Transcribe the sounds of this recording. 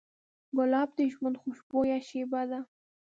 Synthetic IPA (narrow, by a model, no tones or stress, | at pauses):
ɡʊlɑb̚d̪eʒmand̪xʊʃbojaʃebad̪a